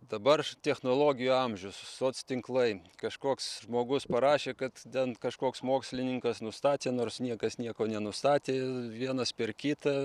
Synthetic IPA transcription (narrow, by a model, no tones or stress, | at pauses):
d̪ɐbɐrt̪ʲɛxnoːlˠoːɡʲɪjuɐmʲʒʲʊssoːt̪st̪ʲɪŋklˠɐɪkɐʃkoːksʒmoːɡʊspɐɾɑːʃʲeːkɐt̪t̪ʲɛnkɐʃkoːksmoːksʲlʲɪnʲɪŋkɐsnʊst̪ɑːt̪ʲeːnoːrsnʲiɛkɐsnʲiɛkoːnʲɛnʊst̪ɑːt̪ʲeːʋʲiɛnɐspʲɛrkʲit̪ɐ